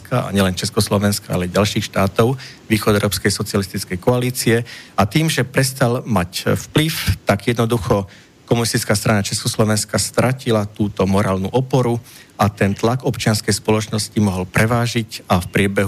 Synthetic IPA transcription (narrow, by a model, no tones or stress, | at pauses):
kaa̰ɲɛlɛnt͡ʃɛskɔslɔʋɛnskaa̰lɛɟalʃiːxʃt̪aːt̪ɔʊ | ʋiːxɔd̪ɛʊɾɔːpskɛjsɔt͡sɪalist̪it͡skɛjkɔaliːt͡siɛat̪iːmʒɛpɾɛst̪almacfpliʊt̪aɡjɛd̪nɔd̪uxɔ | kɔmunist̪it͡skaːst̪ɾanat͡ʃɛskɔslɔʋɛnskast̪ɾʔacilat̪uːt̪ɔmɔɾaːlnṵʔɔpɔɾuat̪ɛnt̪laɡɔpt͡ʃɪanskɛjspɔlɔt͡ʃnɔscimɔɦɔlpɾɛʋaːʒicafpɾɪɛbɛɦ